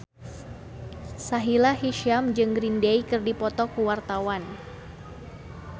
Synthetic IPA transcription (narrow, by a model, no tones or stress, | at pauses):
saɦilaɦiʃiamd͡ʒɨŋɡɾindejkɨrdipɔt̪ɔkuwart̪awan